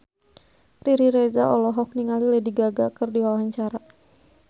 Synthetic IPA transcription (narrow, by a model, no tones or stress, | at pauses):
riɾiɾed͡ʒaʔɔlɔɦɔk̚niŋalilɛdiɡaɡakɨrdiwawɦaɲt͡ʃaɾa